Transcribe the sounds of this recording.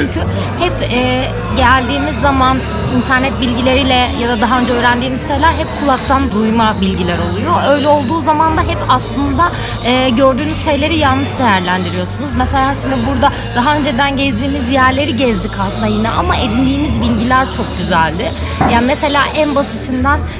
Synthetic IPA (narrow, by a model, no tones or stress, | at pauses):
t͡ʃʰyɲcʰy | hɛpɛː | ɟælʲd̪iːmizːaman | int̪ʰæɾnɛt̪̚bilʲɟilʲe̞ɾilʲɛjad̪ad̪aɦaø̞nd͡ʒɛøːɾænd̪iːmizʃe̞jlʲæɾɦɛp̚kʰulˠak̚t̪ʰand̪ujmabilʲɟilʲæɾo̞lˠujoʔø̞jlʲɛo̞lˠd̪uːzamand̪aɦɛpaslˠɯnd̪a | ɛːɟø̞ɾd̪yːnyz̥ʃe̞jlʲe̞ɾijanlːnɯʃd̪ejæɾlʲænd̪iɾijo̞sunuzmese̞lʲaːʃimd̪ibuɾd̪a | d̪aɦaø̞nd͡ʒed̪ænɟɛzd̪iːmizjæɾlʲe̞ɾiɟɛzd̪ikʰaslɯnd̪ajinɛʔamaʔed̪ind̪iːmizbilʲɟilʲæɾt͡ʃʰo̞k̚ɟyzælʲd̪ɪjaːnimese̞lʲaːʔænbasit̪ʰind̪æn